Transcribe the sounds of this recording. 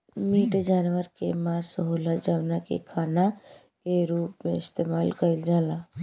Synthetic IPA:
miʈd͡ʒanʋəɾkemaɾsɦoləd͡ʒəbnakḛkʰana | keɾupmeist̪emalkəɪld͡ʒala

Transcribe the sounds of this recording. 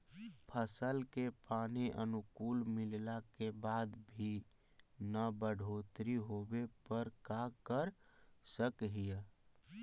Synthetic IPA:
pʰəsəlkepaːniʔə̰nukuːlmɪllakebaːd̪bʱi | nəbəɽ̤ʱot̪ɾiɦobepəɾkakəɾsəkɦija

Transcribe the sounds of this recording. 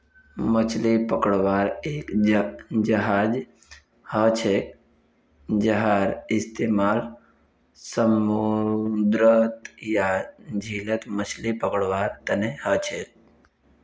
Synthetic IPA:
mət͡ʃʰlipəkəɽʋaːɾeːk | d͡ʒəɦaːd͡ʒ | hət͡ʃʰek | d͡ʒəɦaɾɪst̪emaːl | səmud̪ɾət̪jad͡ʒʱilət̪mət͡ʃʰlipəkɽʋaːɾt̪ənehət͡ʃʰek̚

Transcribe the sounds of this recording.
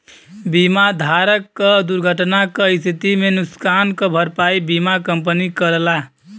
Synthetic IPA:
bimad̪ʱaɾəkːəd̪uɾɡʱəʈnakəɪst̪ʰit̪imenuskankəbʱəɾpaibimakəmpənikəɾəla

